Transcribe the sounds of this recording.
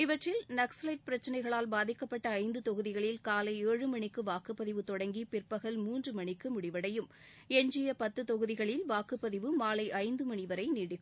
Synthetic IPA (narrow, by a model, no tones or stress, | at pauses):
ɪʋɐʈrɪlnɐkslɐɪʈ̚pɪɾɐt͡ʃːɐnɐɪɣɐɭaːlbaːðɪkːɐpːɐʈːɐɐɪnd̪ɯt̪ɔɣɯðɪɣɐɭɪlkaːlɐɪeːɻɯmɐɳɪkːɯʋaːkɯpːɐðɪʋɯt̪ɔɽɐŋɡipɪrpɐɣɐlmuːndrɯmɐɳɪkːɯmʊɽɪʋɐɽɐjɯm | ɛɲd͡ʒɪjɐpɐt̪ːɯt̪ɔɣɯðɪɣɐɭɪlʋaːkɯpːɐðɪʋɯmaːlɐɪʔɐɪnd̪ɯmɐɳɪʋɐɾɐɪniːɽɪɯ